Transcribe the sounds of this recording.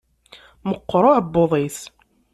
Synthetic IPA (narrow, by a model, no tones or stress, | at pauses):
məqːɾˤoʕəbːoðˤiθ